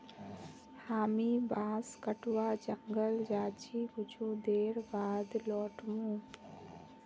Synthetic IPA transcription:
haːmibaːskəʈwad͡ʒəŋɡəld͡ʒaːt͡ʃʰiɡut͡ʃʰũd̪eːɾbaːd̪lɔːʈmũ

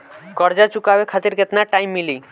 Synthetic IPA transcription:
kɔɾd͡ʒat͡ʃukabekʰat̪iɾket̪naʈajmːili

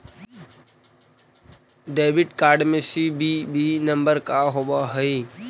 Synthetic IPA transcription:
ɖeːbɪʈkaːɾɖmẽsibʱibʱinəmbəɾkaɦobaɦəi

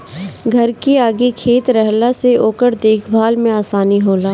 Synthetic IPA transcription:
ɡʱɐɾkiaːɡikʰeːt̪ɾɛɦlaseʔoːkəɾd̪eːkʰbʱaːlmẽaːsaːniɦoːlaː

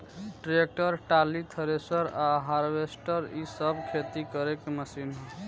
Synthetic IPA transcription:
ʈɾek̚ʈəɾʈalit̪ʰəɾesəɾaɦaɾʋesʈəɾisəbkʰet̪ikəɾekeməsinɦ

